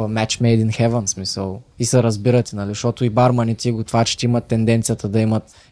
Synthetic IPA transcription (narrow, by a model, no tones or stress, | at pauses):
mɛt͡ʃmɛjd̪inxɛvənsmisəlˠisɛɾɐzbiɾɐt̪ɛnɐliʃt̪ɔt̪ʊibaɾmɐnit̪iɡʊt̪vat͡ʃɛ̥ʃt̪ɛimɐt̪ːɛnd̪ɛnt̪sijət̪ɐd̪ɐimɐt̪